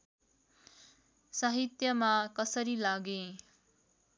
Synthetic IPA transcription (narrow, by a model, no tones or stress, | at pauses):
saɦit̪jʌmakʌsʌɾilaɡẽ